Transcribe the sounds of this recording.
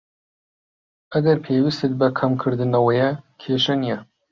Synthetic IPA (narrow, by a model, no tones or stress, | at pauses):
ɐɡɐɾpʰewist̪et̪̚bɐkʰɐmkʰɨɾd̪ɨnɐwɐjɐkʰeːʃɐnijɛ